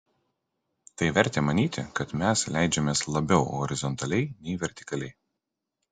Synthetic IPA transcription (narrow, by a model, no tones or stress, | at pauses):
t̪ɐɪʋʲɛɾʲt̪ʲeːmɐnʲiːt̪ʲɪkɐt̪mʲɛslʲæɪd͡ʒʲɛmʲeːslˠɐbʲɛʊɦɔ̰ɾʲɪzɔnt̪ɐlʲɛɪnʲɛɪʋʲɛɾʲt̪ʲɪ̥kɐlʲɛɪ